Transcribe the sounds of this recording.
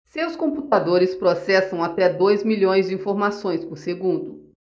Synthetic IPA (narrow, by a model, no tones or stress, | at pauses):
sewskõput̪ad̪oɾɪspɾosɛsɐ̃w̃at̪ɛd̪ojzmiʎõj̃zd͡ʒɪĩfoɾmasõj̃spʊɾseɡũnd̪ʊ